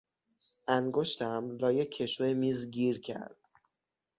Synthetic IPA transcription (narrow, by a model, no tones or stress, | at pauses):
ʔæŋɡoʃt̪ʰæmlɒːjekʲʰːe̞ʃuemiːzɟiːɾcʰæ̰ɾd̪̥